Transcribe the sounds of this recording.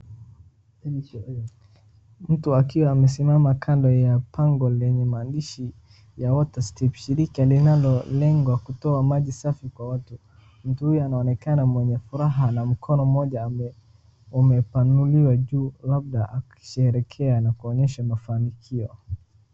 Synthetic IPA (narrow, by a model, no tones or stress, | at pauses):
m̩tuakiwaːmɛs̬imamakʰandɔjapʰaŋɡɔlɛɲɛmaːndiʃi | jawɔtastɛfʃiɾikalinalɔlɛŋɡwakutɔamaʄisafikwawatu | m̩tuhujɔanaɔnɛkanamwɛɲɛfuɾaɦanam̩kʰɔnɔm̩ɔʄa | umɛpanuliwaʄulab̚ɗaʔaki̥ʃɛɾɛkʰɛanakuɔɲɛʃamafanikʰiɔ